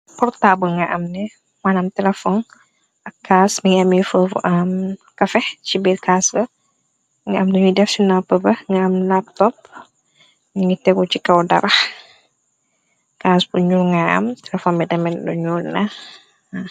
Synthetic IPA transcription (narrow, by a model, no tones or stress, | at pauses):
pɔɾtabuŋɡɐʔɐmnɛ | manɐmtɛlɛfɔn | ɐkːaːsmiŋɐmifəʔɐmkɐfɛht͡ʃibitkaːsbɐ | ŋɡɐɐmduɲudɛfsinapəbɐŋɡɐɐmlap̚tɔp̚ | nuɲutɛkut͡ʃikɐwdɐ̰ɾɐx | kaːsbuɲulŋɡaɐ̰mtɛlɛfɔːnbɛdɛmɛndṵɲulnɐ